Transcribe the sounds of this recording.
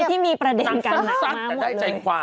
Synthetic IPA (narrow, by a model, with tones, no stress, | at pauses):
t̪ʰiː˥˩miː˧pɾa˧de˧nkaː˧˥˦na˦˥a˥˩˦ma˥˩lt͡ɕa˧jkʰwaː˧